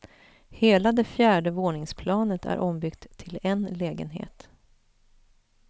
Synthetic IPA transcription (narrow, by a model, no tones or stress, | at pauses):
heːlad̪ɛfjæːɖəvoːɳɪŋspʰlɑːnət̪ʰæ̰ɾʔɔmbʏkt̪ʰːɪlɛnlɛːɡə̰nɦḛːt̪